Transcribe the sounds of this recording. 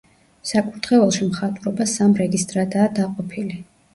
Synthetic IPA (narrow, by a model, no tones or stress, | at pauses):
sakʼuɾt̪ʰʼχɛɛlˠʃimχat̪ʼuɾɔbasamɾɛɡist̪ʼɾad̪aːd̪aqʼɔpʰili